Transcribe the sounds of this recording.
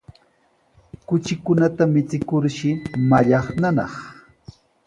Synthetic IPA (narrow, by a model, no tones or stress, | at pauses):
kʊt͡ʃɪkʊnat̪amɪt͡sɪkʊɾʃɪmaʎɑχnanɑ̰χ